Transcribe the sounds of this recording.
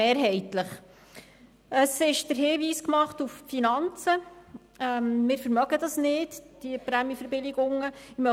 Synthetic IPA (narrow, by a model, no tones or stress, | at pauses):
eːɾɦɛɪtləχ | əsɪʃd̥əɾhɪːʋiːskmɑχtuffinɑnt͡sə | ɛmmɪːɾfəɾmœɡ̥ədɑsnɪdd̥iəpɾɛmjəfəɾbɪlɪɡʊŋəɪmœ